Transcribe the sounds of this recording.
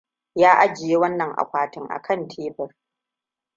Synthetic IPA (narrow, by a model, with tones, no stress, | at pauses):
jaː˦ʔa˦d͡ʒɪ˨je˦wɐ˦nːɐ˨ŋʔa̰˨kʷaː˨tɪ˦ŋʔa̰˨kʰɐ˦˨ntʰeː˦bɪ˨r